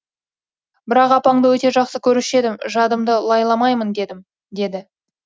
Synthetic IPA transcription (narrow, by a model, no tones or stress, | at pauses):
bɪɾɑqɑpɑɴd̪əwɵt̪e̞ʒɑqsəkʲʰɵɾɪʃe̞d̪ɪmʒɑd̪əmd̪əlˠɑjlˠɑmɑjmənd̪e̞d̪ɪm | d̪e̞d̪ɪ